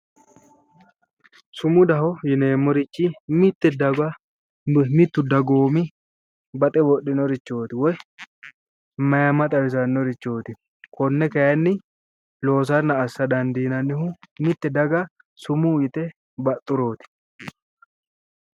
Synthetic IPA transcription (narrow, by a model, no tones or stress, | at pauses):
sʊmʊd̪ɐhɔjɪneːmːɔɾɪt͡ʃːimɪt̪ːɛd̪ɐɡɐ | mɪt̪ːʊd̪ɐɡoːmɪ | bɐt̪ʼɛbɔɗːɪnɔɾɪt͡ʃːo̞ːt̪ɪwɔj | mɐjɐmɐt̪ʼɐwɪsɐnːɔɾɪt͡ʃːo̞ːt̪ɪ | kɔnːɛkɐjɐnːɪ | lo̞ːs̬ɐnːɐːsːɐd̪ɐnd̪iːnɐnːɪhʊmɪt̪ːɛd̪ɐɡɐ | sʊmuːjɪt̪ɛ | bɐt̪ʼːʊɾo̞ːt̪ɪ̥